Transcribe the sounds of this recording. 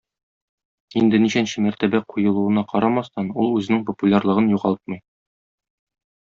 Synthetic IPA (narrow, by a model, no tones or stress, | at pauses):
ind̪ɘniɕænɕɘmæɾt̪æbæqʰujɤ̆lˠuɤ̆nɑqʰɒɾɑmɑst̪ɑnulˠʉzɘ̆nɘŋpŏpulʲarlˠɤ̆ʁɤnjuʁɑlˠt̪̚mɤ̆j